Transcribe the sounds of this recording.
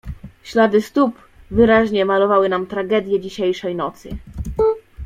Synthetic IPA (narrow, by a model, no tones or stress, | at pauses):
ɕlad̪ɘst̪up | vɘɾaʑɲɛmalɔvawɘnamt̪ɾaɡɛd̪ʲjɛd͡ʑiɕejʂɛjnɔt̪sɘ̰